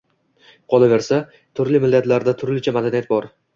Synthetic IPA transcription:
qʰɒlˠave̞ɾsa | t̪ʰʊɾlɪmɪlːat̪laɾd̪at̪ʰʊɾlɪt͡ʃʰamad̪anijat̪̚bɒɾ

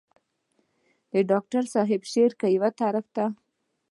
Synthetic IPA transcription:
d̪əɖɑk̚ʈaɾsɑɦɪbʃeɾkajwat̪aɾɪft̪a

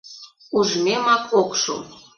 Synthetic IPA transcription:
uʒmʲemɑkokʃṵ

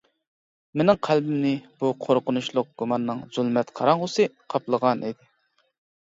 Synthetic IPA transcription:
menɪŋqʰælbɪmnɪb̥uqʰoɾqʊnuʃlˠʊq̚ɡ̥umɑnːɨŋz̥ulˠmɛt̪qʰɑ̰ɾɑŋʁʊsɨqʰɑplˠəʁɑnʔid̪ɪ

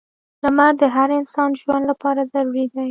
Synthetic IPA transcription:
lamaɾd̪əɦaɾɪnsɑnʒwand̪lapɑɾazaɾuɾid̪a

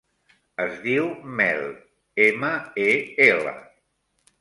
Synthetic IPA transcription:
əzðiwmɛl | eməeelə̰

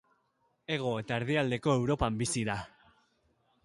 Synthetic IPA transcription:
e̞ɣ̞o̞e̞t̪aeɾðiald̪e̞ko̞ewɾo̞pambisiða

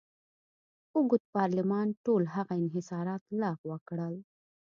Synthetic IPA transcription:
ʊɡʊt̪̚pɑɾlɪmɑnʈolɦaɣaɪnɦɪsɑɾɑt̪lɑɣwəkɽəl

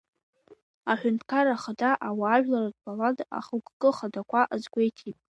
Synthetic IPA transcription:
aħʷᶣʊntʰkʰaɾaχadaʔawaːʒᶣlarad̚pʰʼaladʼa̰χukʼkʼɨχadakʷaʔazɡʷe̞jtʰipʼ

